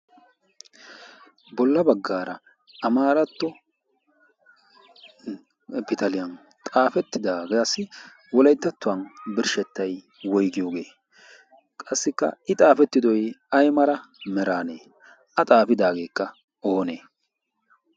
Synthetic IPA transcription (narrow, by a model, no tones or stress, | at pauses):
bɔlːɐbɐɡːaːɾɐ | ɐmaːɾɐt̪ːɔ | bɪt̪ɐlɪjɐn | t̪ʼaːfɛt̪ːɪd̪aːɡeɐsːɪ | wɔlɐjt̪ːɐt̪ːʊɐnbɪɾʃɛt̪ːɐj | wɔjɡɪjo̞ːɡe̞ː | kʼɐsːɪkːɐ̰ʔɪt̪ʼaːfɛt̪ːɪd̪ɔjɐjmɐɾɐmɛɾaːnḛː | ɐt̪ʼaːfɪd̪aːɡe̞ːkːɐ | oːneː